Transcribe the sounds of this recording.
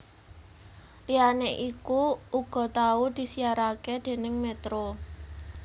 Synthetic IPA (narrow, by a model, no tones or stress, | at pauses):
lijaneʔikuʔuɡ̥ɔ̤t̪aud̪̥i̤siaɾaked̪̥e̤nɪŋmet̪ɾo